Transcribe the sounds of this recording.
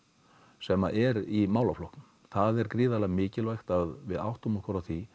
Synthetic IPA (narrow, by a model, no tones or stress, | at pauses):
sɛmaʔɛɾimaːwlaflɔhkn | θaðɛɾkɾiːðalaɣmɪːcɪlvajxt̪aðvɪðawht̪ʏmɔkʰɔɾaθvi